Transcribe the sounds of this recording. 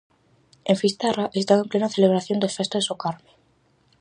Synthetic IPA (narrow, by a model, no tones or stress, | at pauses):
ẽɱfist̪araʔest̪aβemplenaθeleβ̞ɾaθjond̪esfest̪oðesokaɾme